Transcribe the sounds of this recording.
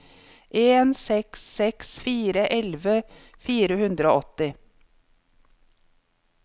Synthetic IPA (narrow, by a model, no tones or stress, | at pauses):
ʔeːnsɛksːɛksfiːɾəʔɛlʋə | fiːɾəhʉnd̪ɾəo̰ːɔt̪ɪ